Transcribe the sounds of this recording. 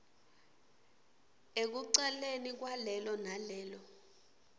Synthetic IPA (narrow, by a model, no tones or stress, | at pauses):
ek̬uǀɛlenik̬walɛlɔnalɛːlɔ